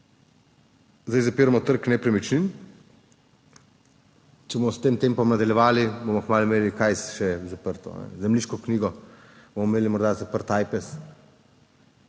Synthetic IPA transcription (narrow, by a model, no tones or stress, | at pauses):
zd̪ajzapiːɾamɔt̪əɾknɛpɾɛmit͡ʃnin | t͡ʃɛbomɔst̪eːmt̪eːmpɔmnɐd̪ɐljɛʋaːlibomɔkmaːlumeːlikajsʃɛzapəɾt̪ɔ̰nɛ̰zɛmliːʃkɔkniːɡɔ | bomɔmeːlimɔɾd̪azapəɾt̪aːjpɛs